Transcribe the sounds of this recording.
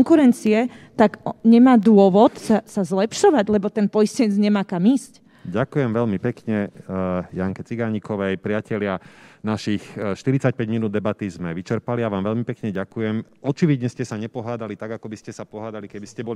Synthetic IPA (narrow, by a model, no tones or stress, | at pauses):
ŋkuɾɛnt͡siɛ | t̪aɡɲɛmaːd̪ʊɔʋɔt̪sasazlɛpʃɔʋaɟlɛbɔt̪ɛnpɔjiscɛɲɛd͡zɲɛmaːkamiːsc | ɟakujɛmʋɛlmipɛkɲɛ | jaŋkɛt͡siɡaɲikɔʋɛjpɾɪacɛlɪanaʃixʃt̪iɾit͡sac̚pɛɟminuːd̪ɛbat̪izmɛʋit͡ʃɛɾpaliaʋaːmʋɛlmipɛkɲɛɟakujɛmɔt͡ʃiʋid̪ɲɛscɛsaɲɛpɔɦaːd̪alit̪aɡakɔbiscɛsapɔɦaːd̪alikɛbiscɛbɔli